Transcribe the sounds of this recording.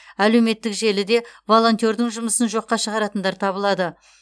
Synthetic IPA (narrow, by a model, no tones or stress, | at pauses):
æle̞wme̞t̪ːɪkʒe̞lɪd̪e̞vo̞lˠo̞nt̪ʲo̞ɾd̪ɪŋʒʊməsənʒo̞qːɑʃəʁɑɾɑt̪ənd̪ɑɾt̪ʰɑbəlˠɑd̪ə